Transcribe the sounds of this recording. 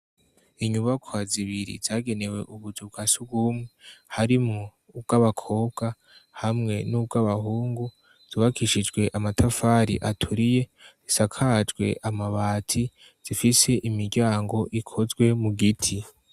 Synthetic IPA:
iɲuβakʰwaziβiɾḭz̥aːɡe̞ne̞we̞̰ʔuβuzub̚ɡaːsubɡumŋe̞haɾimuː | b̚ɡ̥aβakʰo̞ːb̚ɡa | hamŋe̞nub̚ɡaβahuːŋɡu | z̥uβakʰiʃid͡ʒɡwe̞ʔamatʰafaːɾḭʔatʰuɾije̞zisakʰad͡ʒɡwe̞̰ʔamaβaːtʰi | z̥ifise̞ʔimiɾɡɟaːŋɡo̞ʔikʰo̞zɡwe̞muɡitʰi

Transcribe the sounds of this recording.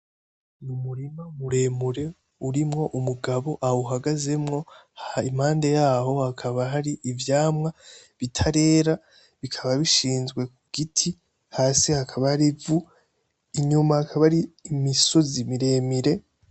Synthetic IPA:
numuɾimamuɾe̞ːmuɾe̞ | uɾimŋo̞ʔumuɡaβo̞ʔauɦaɡaze̞mŋo̞im̥haːnde̞jaːho̞hakʰaβaɦaɾiʔivjaːmŋa | βitʰaɾe̞ːɾa | βikʰaβaβiʃiːnzɡwe̞kuɡ̥itʰi | haːsihakʰaβahaɾivu | iɲumahakʰaβaɾiːmiso̞zimiɾe̞ːmiɾe̞

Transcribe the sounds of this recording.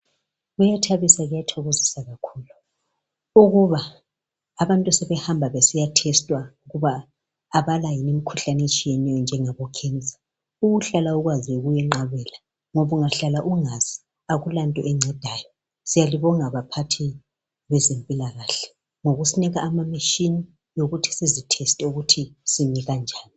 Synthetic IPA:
ɣujatʰaβisaɣujatʰɔɣozisaɣakʰuːlu | uɣuβaː | βantʼusɛβɛhambʱaβesijatʰɛstʼwauɣuβaː | βalajinem̩kʰuɬanet͡ʃʼijɛnɛjɔnd͡ʒʱɛŋaβɔkʰɛnd͡zʱa | uɣuɬalauɣwaziweɣujɛŋ͡ǃaβɛla | ŋoβuŋaɬalaʔuŋaz̥i | aɣulantʼɔʔɛŋ͡ǀɛd̥ʱaːjɔ | sijaliβɔŋaβapʰatʰi | βɛzempʼilaɣaːɬɛ̥ | ŋoɣusiniɣaːmamaʃini | joɣutʰi̥sizitʰɛstʼɛuɣutʰisimiɣand͡ʒʱaːni

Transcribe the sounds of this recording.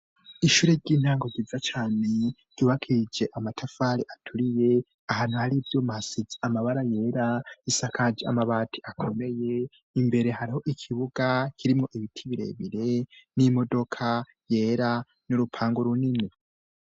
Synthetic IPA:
iʃuːɾeɾɟiːn̥haːŋɡo̞ɡizat͡ʃaːne̞̥ | ɟ̥uːβakʰid͡ʒe̞ʔamatʰafaɾiʔatʰuɾije̞ | ahaːn̥huhaɾivjo̞masiziamaβaɾaje̞ːɾaisakʰad͡ʒea̰maβaːtʰi̥ʔakʰo̞me̞je̞ | imbe̞ɾe̞haɾiho̞ʔikʰiβuɡakʰiɾimŋo̞ʔiβitʰiβiɾe̞̰βiɾe̞nimo̞do̞kʰa | je̞ːɾa | nuɾupʰaːŋɡoɾunini

